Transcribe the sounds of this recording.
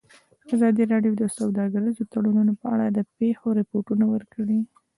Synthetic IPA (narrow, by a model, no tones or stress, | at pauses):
azɑd̪iɾɑɖjod̪əsawd̪ɑɡəɾəzot̪aɽununopəa̰ɽad̪əpexoɾɪpoʈunawəɾkəɽi